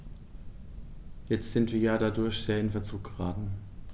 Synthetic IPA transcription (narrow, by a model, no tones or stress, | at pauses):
jɛt͡stz̥ɪntv̥iːɐjaːdadʊɐçz̥eːɐɪnfɛɐt͡suːk̚ɡ̥əʁaːtn̩